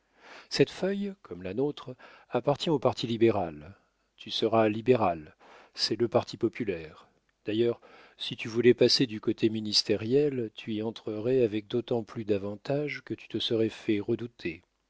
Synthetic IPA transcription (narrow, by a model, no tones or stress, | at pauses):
sɛt̪fœjkʰɔmlanot̪χ | apaʁt̪jɛ̃opaʁt̪ʰilibeʁal | t̪ʰysəʁalibeʁal | sɛləpaʁt̪ʰipɔpylɛʁ | d̪̥ajœʁ | sit̪yvulɛpased̪ykot̪ʰeminist̪eʁjɛlt̪ʰyiɑ̃t̪χəʁɛavɛk̚d̪ot̪ɑ̃plyd̪avɑ̃t̪aʒkət̪y̥t̪əsəʁɛfɛʁəd̪ut̪ʰe